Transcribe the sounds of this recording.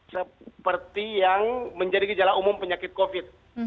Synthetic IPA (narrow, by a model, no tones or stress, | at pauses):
səpərt̪ijaŋməɲd͡ʒadikəd͡ʒalaumʊmpəɲakɪt̪̚kofɪt̪̚